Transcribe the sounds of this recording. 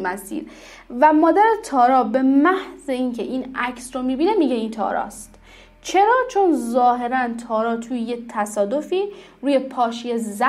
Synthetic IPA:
mæsḭːɾ | væmɒːd̪æɾet̪ʰɒːɾɒːbe̞mæhze̞incʰeʔiːnæcsɾomiːbiːne̞miɟe̞int̪ʰɒ̰ːɾɒ̰ːst̪ | t͡ʃʰe̞ɾɒːt͡ʃʰo̞nzɒːɦe̞ɾænt̪ʰɒːɾɒːt̪ʰujejet̪ʰæsɒːd̪o̞fiː | ɾuːje̞pʰɒːʃijezæ

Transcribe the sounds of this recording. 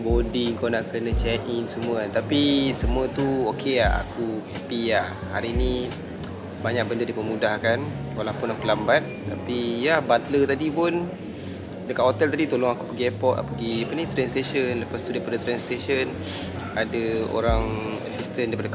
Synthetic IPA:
bodiŋkonaʔkənət͡ʃɛʔʔinsəmuət̪apisəmũət̪uokʰeaa̰kuhɛpiah | ha̰ɾiːni | baɲak̚bəndədipəmũdahkan | walapunakulambat̪̚ːapijahbat̪lət̪adipʊn | dəkat̚hot̪ɛlt̪adit̪olɔŋakupəɡiɛpɔt̪̚a̰pəɡiapənit̪ɾɛnst̪eʃənləpast̪udaipadət̪ɾɛnst̪eʃən | adəo̰ɾaŋa̰sist̪əndaijpadə

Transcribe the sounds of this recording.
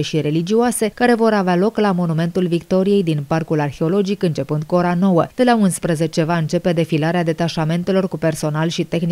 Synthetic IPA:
eʃiɾe̞lid͡ʒioase̞kaɾe̞vo̞ɾavealo̞klamo̞nume̞nt̪ulvikt̪o̞ɾije̞jd̪inparkularxe̞o̞lo̞d͡ʒikɨnt͡ʃe̞pɨnd̪̚kuo̞ɾano̞wəd̪̥e̞launspɾəze̞t͡ʃe̞vaɨnt͡ʃe̞pe̞d̪e̞filaɾead̪e̞t̪aʃame̞nt̪e̞lo̞rkupe̞rso̞nalʃit̪e̞xni

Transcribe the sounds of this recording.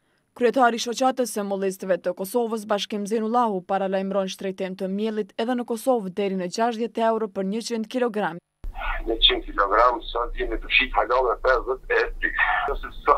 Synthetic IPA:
kɾyɛt̪aɾiʃɔt͡ɕat̪əsəmulˠis̬t̪vɛt̪əkɔsɔvəs̬baʃ̬kimzinulˠahupaɾalajmɾɔnʃt̪ɾɛjt̪imt̪əmjɛlˠit̪ɛðɛnəkɔsɔvd̪ɛɾinəd͡ʑaʃt̪ðjɛt̪ɛwɾɔpəɾɲət͡ɕind̪kilɔɡɾam | ɲət͡ɕind̪̚kilɔɡɾamsɔt̪jɛnit̪əʃit̪halɔnɛpɛzət̪ɛt̪ɾikəsis

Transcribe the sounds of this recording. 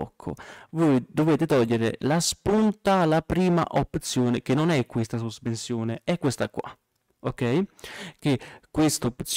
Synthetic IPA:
ɔ̰kʰːo̰vojd̪oveːt̪ɪt̪ɔʎːeɾɪ̰laspunt̪aːlːapɾiːma̰ʔopːt̪sjoːnɪk̟enːonɛkːwest̪as̬uspensjoːnɪɛkːwest̪akwa̰ | okːɛjk̟ekːwest̪oopt̪s

